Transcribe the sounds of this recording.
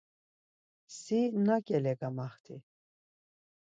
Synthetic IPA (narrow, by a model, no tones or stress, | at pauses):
sinakʼɛlɛɡamaχt̪ʰi